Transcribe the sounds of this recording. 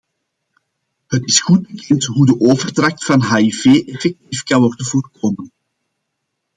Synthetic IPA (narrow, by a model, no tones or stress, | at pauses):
ɦətɪsxut̚bəkʰɛntɦudəʔoːvərtrɑxtfɑnɦaːifeːʔɛfɛk̚tifkɑnwɔrdənvoːrkoːmən